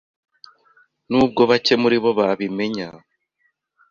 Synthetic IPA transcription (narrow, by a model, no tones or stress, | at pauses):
nuːb̚ɡo̞βace̞muɾiβo̞βaβime̞ɲa